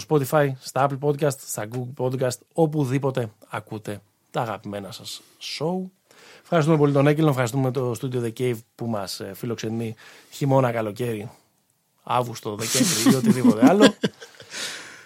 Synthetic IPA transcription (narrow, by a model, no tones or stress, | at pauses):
t̪ospo̞t̪ifɐjst̪ɐɐplpo̞d̪kɐst̪st̪ɐɡuɡlpo̞d̪kɐst̪o̞puðipo̞t̪e̞ɐkut̪e̞ | t̪ɐːɣɐpime̞nɐsɐsː | o̞u | fxɐɾist̪ume̞polit̪onecelofxɐɾist̪umet̪o̞st̪ud̪io̞ðecejvpumɐsfilo̞kse̞ni | çimo̞nɐkɐlo̞ce̞ɾi | ɐ̰vɣust̪oðe̞ceɱvɾiio̞t̪iðipo̞t̪eɐlo